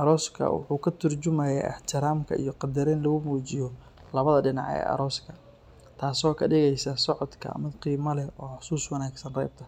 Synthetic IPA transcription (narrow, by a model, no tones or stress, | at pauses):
ʔɐɾɔːskʰɐ̰wʊ̰ħuːkʰɐt̪ʰʊrt͡ʃʊmɐjɛʔɐ̰ħt̪ʰɪɾaːmkʰɐ̰ʔḭjɔqɑd̪ɐɾɛːnlɐɣʊmuːt͡ʃɪjɔ | lɐβɐðɐɖɪnɑ̰ʕɛ̰ːʔɐ̰ɾɔːskʰɐ | t̪ʰaːsɔːkʰɐɖɪɣɛjsɐsɔʕɔd̪kʰɐ̰mɪd̪qiːmɐlɛɔːħʊ̥suːswɐnaːɡsɐnrɛ̰jb̚t̪ʰɐ